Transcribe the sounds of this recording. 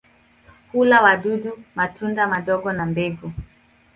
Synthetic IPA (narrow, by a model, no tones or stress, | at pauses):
hulawaɗudumatundamaɗɔɡɔnambɛɡu